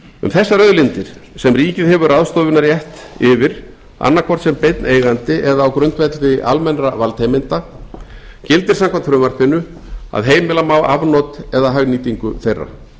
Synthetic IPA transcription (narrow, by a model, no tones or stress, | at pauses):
ʏ̰mθɛsːaɾœðlɪnt̪ɪɾ̥sɛmriːcɪðhɛvʏraðst̪oːvʏnaɾjɛht̪ɪvɪɾ | a̰nːaɾkʰvɔr̥t̪sɛmpejt̪nʔeːjɣant̪ɪʔɛðaːwkɾœnt̪vɛt̪lðɪʔalmɛnɾavalt̪ʰejmɪnt̪a | cɪlt̪ɪɾ̥samkʰant̪fɾʏmaɾ̥pʰɪnːʏ | a̰ðɦeːjmɪlamawavnɔt̪ɛðaɦœɣniːt̪iŋkʏθejrːa̰